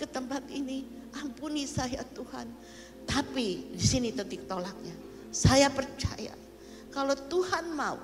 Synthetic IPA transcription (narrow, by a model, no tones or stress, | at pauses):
kət̪əmpat̪ini | ʔampunisajat̪uha̰n | t̪apidisinit̪ət̪ik̚t̪olak̚ɲa | sajapərt͡ʃa̰ja̰ | kalot̪uhanmaṵ